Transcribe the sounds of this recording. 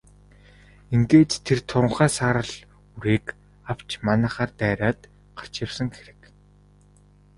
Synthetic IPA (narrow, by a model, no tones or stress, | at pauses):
eŋɡeːt̪t̪ʰːert̪ʰʊɾə̆ɴχæːsaːɾə̆ɮ | uɾeːk | aw̥t͡ɕmanæ̆ːχaːrt̪æːɾaːt̪ | ɢḁr̥t͡ɕawsə̆ŋxeɾɘ̆k